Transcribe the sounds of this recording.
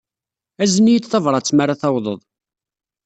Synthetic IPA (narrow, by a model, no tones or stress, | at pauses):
æzənijid̪θɑvɾˤɑt͡sːmaɾaθɑwðˤəðˤ